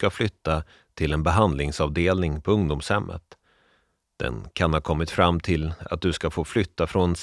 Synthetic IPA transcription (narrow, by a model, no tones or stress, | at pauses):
kaflʏt̪ːa | t̪ʰɪlɛnbɛɦand̪lɪŋsɑːvd̪eːlnɪŋpʰɔɵŋd̪uːmshɛmːʔə̰t̪ | d̪̥ɛ̰nkʰanhaːɾkʰɔmːɪt̪fɾamːt̪ʰɪla̰t̪̚d̪ɵskafoːflʏt̪ːafɾɔnɛns